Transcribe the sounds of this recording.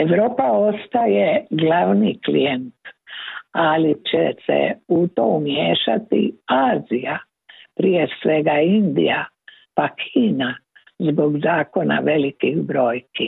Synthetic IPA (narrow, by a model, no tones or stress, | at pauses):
eʋɾo̞ːpao̞st̪aje̞ɡlaʋniklḭjent̪ | alit͡ɕesḛut̪o̞umjeːʃat̪ḭaːzija | pɾije̞sʋe̞ɡaind̪ḭja | pakʰiːna | zboɡzaːko̞na̰ʋe̞likiɣbɾo̞ːjki